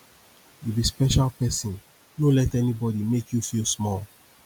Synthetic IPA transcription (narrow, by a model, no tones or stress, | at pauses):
jubispɛʃalpɛsɔ̃n | nolɛtɛnibɔdimekʰjufilsmɔl